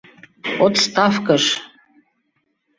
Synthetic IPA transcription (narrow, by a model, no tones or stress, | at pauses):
ot̪st̪ɑfkəʃ